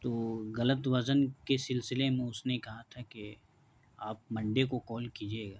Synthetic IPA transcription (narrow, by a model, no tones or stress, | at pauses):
t̪oːɣɐlət̪ʋɐzənkesɪlsɪlemẽʊsnekɐɦat̪ʰake | aːp̚mɐ̃ɳɖekokɔːlkiːd͡ʒieːɡaː